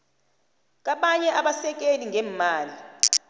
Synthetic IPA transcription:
k̬aɓaɲɛʔaɓasɛk̬eliŋʱɛːmaːli

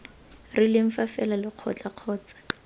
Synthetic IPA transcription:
rɪlɪɱ̩fafɛlalɪq͡χʰɔ̰t͡ɬaq͡χʰɔːt͡sḁ

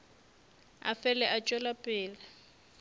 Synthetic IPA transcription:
a̰fɛlɛʔat͡ʃʼwɛlapʼɪːla

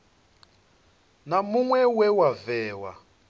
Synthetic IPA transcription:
namuŋwɛwɛwavɛːwa̰

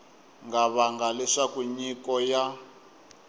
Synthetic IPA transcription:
ŋɡaβaŋɡalɛʂakuɲikɔja

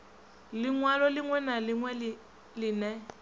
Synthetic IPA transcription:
lɪŋwalɔlɪŋwɛnalɪŋwɛlɪ | lɪnɛ

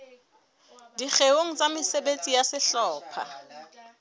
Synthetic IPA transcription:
diχewoŋ̩t͡sʼamɪsɛɓet͡sʼijasɪɬɔːpʰa̰

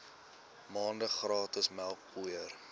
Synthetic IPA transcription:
mɑːndəχrɑːtəsmælˠk̚pujər

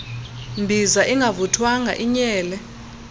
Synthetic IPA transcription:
mbʱizaʔiŋɡʱavutʰwaŋʱa̰ʔiɲɛːlɛ

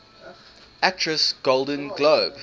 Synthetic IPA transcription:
æk̚tʰɹ̥əsɡ̥olˠdə̃nɡloːb

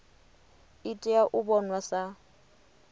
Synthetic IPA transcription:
ɪtʼɪaʔʊbɔnwasa

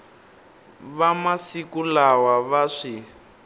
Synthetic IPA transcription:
βamasikulawaβaʂi

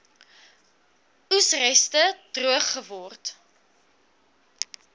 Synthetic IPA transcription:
usrɛstəd̥ruəχːəvɔrt

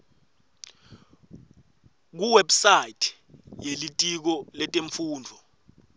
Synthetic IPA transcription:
k̬uwɛbsajitʰ | jelitʼik̬ɔlɛtʼeɱfuːndʱɔ

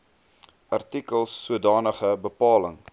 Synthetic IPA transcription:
ʔɐrtikəlˠsːuədɑːnəχəbəpɑːləŋ

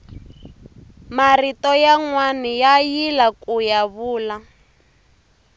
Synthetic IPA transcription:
maritɔjaŋwanijajilakujaβuːla

